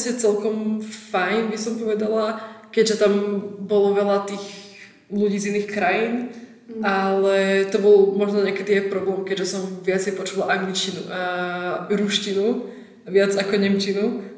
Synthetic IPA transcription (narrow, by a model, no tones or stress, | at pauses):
sɛt͡sɛlˠkɔmfajnbisɔmpɔʋɛd̪alakɛɟʒɛt̪ambɔlɔʋɛlat̪iːɣ | luɟiːzinːiːxkɾajiːn | alɛt̪ɔbɔlˠmɔʒnɔɲɛkɛd̪ijɛpɾɔblɛːmkɛɟʒɛsɔmʋɪat͡sɛjpɔt͡ʃuʋalʔaŋɡlit͡ʃcinuʔa | ɾuʃcinu | ʋɪad͡zakɔɲɛmt͡ʃinu